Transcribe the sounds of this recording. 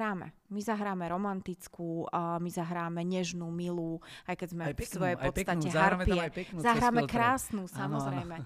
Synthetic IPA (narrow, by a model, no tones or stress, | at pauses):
aːmɛ̰ | mizaɦɾaːmɛɾɔmant̪it͡skuːmizaɦɾaːmɛɲɛʒnuːmiluajkɛzmɛsʋɔjɛpɔt̪t͡st̪acɛɦzaɾpiɛzaɦɾaːmɛkɾaːsnusamɔzɛjmɛ